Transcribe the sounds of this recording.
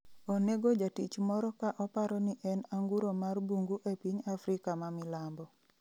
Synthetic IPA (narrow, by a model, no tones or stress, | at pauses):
oneɡod͡ʒatit͡ʃmɔɾɔkaʔɔpaɾɔniʔɛnaŋɡuɾomarbuŋɡuʔepiɲafɾɪkamamɪlambɔ